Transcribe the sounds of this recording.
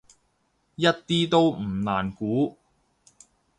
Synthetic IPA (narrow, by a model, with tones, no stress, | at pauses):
jɐ˥t̚t̪iː˥t̪o˥wm̩˨˩naː˨˩nkuː˨˥